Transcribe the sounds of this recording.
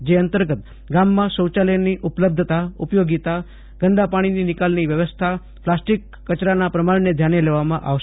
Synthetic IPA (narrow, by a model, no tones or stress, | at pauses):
d͡ʒeənt̪əɾɡət̪ | ɡamːãsə̃wt͡ʃaləniʔupləb̚d̪ʱət̪aupjoɡit̪a | ɡ̥əɳɖ̪apaɽ̃ininɪkalniʋjəʋəst̪ʰa | plasʈikːət͡ʃɾanapɾəmaɽned̪ʱjaneleʋamã̰ʔa̰ʋʃ